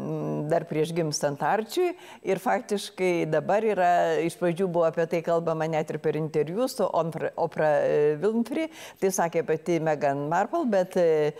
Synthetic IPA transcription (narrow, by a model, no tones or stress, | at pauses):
d̪ɐrpʲɾʲiɛʃɡʲɪmst̪ɐnt̪ɐrʲt͡ʃʲʊj | ɪrfɑːkt̪ʲɪʃkɐɪd̪ɐbɐɾiːɾɐɪʃprɐd͡ʒʲuːbʊʋoːɐpʲiɛt̪ɐɪkɐlˠbɐmɐnʲæt̪ʲɪrpʲɛɾɪnʲt̪ʲɛɾʲjuːsʊʔonfrɐʔoːprɐʋʲɪlˠnʲfʲrʲɪt̪ɐɪsɑːkʲeːpɐt̪ʲɪmʲæɡɐnmɑrpɐlˠbʲɛt̪